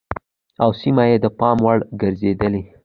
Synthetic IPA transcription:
awsimajed̪əpɑmwaɽɡəɾzed̪əle

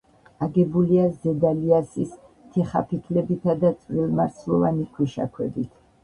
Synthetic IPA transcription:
aɡɛbuliazɛd̪aliasis | t̪ʰiχa̰pʰik̪ʰlɛbit̪ʰad̪at̪sʼɾilˠmaɾsʰlˠɔvanikʰwiʃa̰kʰwɛ̰bit̪ʰ

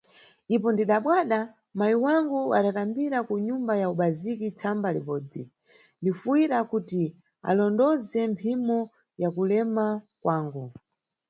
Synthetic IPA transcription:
dip̬ɔndiɗaɓwaɗa | majiwaŋɡuaɗatambiɾakuɲumbajauɓazikit͡sʰambalḭɓɔːd͡zḭ | ndifuwiɾakuti | a̰lɔndɔzɛmpʰimɔ | jakulɛma | kwaːŋɡu

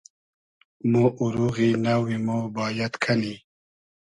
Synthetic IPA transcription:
moʔuɾuɣinawimobɑːjat̪kʰani

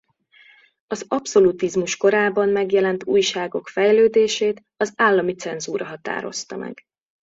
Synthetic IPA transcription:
ɒzɒpso̞lut̪izmuʃko̞ɾaːbɒmːɛɡjɛlɛnt̪uːjʃaːɡo̞kfɛjløːd̪eːʃeːt̪ | ɒzaːlːɒmit̪sɛnzuːɾɒɦɒt̪a̰ːɾo̞̰st̪ɒmɛ̰ɡ̥

